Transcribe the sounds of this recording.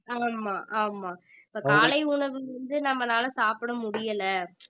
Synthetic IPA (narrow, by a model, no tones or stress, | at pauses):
aːmaːʔaːmaːɪpːoːkaːlɐɪʊɳɐʋɯɾɐnd̪ɯnɐmːɐnaːlɐsaːpɯɽɐmʊɽɪjɐlɐ